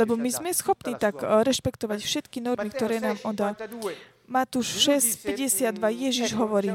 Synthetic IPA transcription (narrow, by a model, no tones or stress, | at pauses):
lɛbɔmizmɛsxɔpniːt̪aɡɾɛʃpɛkt̪ɔʋacfʃɛt̪kinɔɾmikt̪ɔɾɛːnaːmɔd̪a | mat̪uːʃʃɛscpɛɟɛsɪad̪ːʋajɛʒiʒɦɔʋɔɾiː